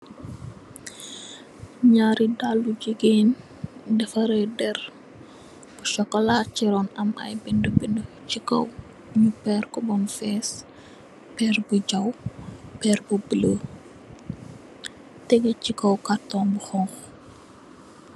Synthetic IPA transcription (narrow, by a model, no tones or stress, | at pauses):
ɲaːɾidalːuɟiɡen | dɛfɐɾəjdɛr | b̥uʃɔkːɔlaciɾɔnɐmɐ̰jbindəbində | t͡ʃikːɔ̰w | ɲupɛːrkɔbɔnfɛːs | pɛːrbuɟɐwpɛːrbubələː | tɛɡɐcikːɐwkartɔːnbuxɔŋx